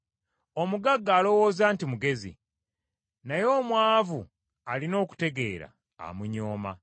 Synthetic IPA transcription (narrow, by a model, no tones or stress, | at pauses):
omuɡaɡːaːlo̞wo̞ːzaːntimuɡe̞zḭ | najo̞ːmwaːvu | alino̞ːku̥te̞ɡe̞̰ːɾa̰ː | muɲoːma̰